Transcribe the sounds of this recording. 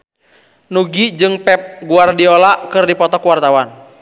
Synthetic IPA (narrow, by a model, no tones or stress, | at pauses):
nuɡid͡ʒɨŋpɛp̚ɡuardiɔlaʔkɨrdipɔt̪ɔkwart̪awan